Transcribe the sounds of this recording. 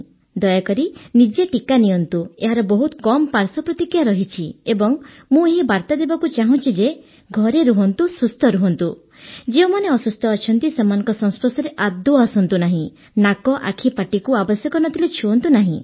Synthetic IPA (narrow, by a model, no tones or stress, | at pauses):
d̪ɔjakɔɾinid͡ʒeʈikaniɔnt̪ueɦaɾɔbɔɦut̪kɔmɔpaɾsɔpɾɔt̪ikɾjaɾɔɦit͡ʃʰiebɔŋ | mũeɦibaɾt̪ad̪ebakut͡ʃaɦɔ̃t͡ʃʰid͡ʒe | ɡʱɔɾeɾuɦɔnt̪usust̪ʰɔɾuɦɔnt̪u | d͡ʒeumaneɔsust̪ʰɔːt͡ʃʰɔnt̪isemanɔ̃ŋkɔsɔ̃ŋ̃spɾɔsɔɾeʔad̪uasɔnt̪unaɦĩ | nakɔʔa̰kʰipaʈikuabɔsjɔkɔnɔt̪ʰilet͡ʃʰuɔnt̪unaɦḭ̃